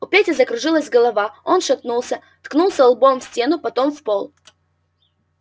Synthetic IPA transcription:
ʊpʲætʲɪzəkɾʊʐɨlˠəzʲɡɐlˠɐvao̞nʂɐt̪nulˠsʲə | t̪knulˠsʲəlˠbomfsʲtʲenʊpɐt̪o̞mfpolˠ

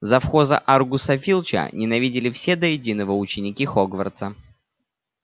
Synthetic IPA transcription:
zɐfxo̞zə̰ʔarɡʊsɐfʲilˠt͡ɕə̰nʲɪnɐvʲidʲɪlʲɪfsʲed̪əjɪdʲinəvəʊt͡ɕɪnʲɪkʲixoɡvə̰rt̪sə

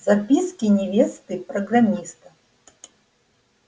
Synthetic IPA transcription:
zapʲiskʲinʲɛvʲest̪ɨpɾɐɡramʲist̪ɐ

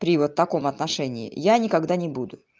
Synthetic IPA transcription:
pɾʲɪvot̪ːɐko̞mɐt̪nɐʂɛnʲɪɪ̰janʲɪkɐɡd̪anʲɪbud̪ʊ

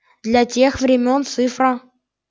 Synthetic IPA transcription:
d̪lʲatʲexvɾʲɪmʲo̞nt̪sɨfɾə

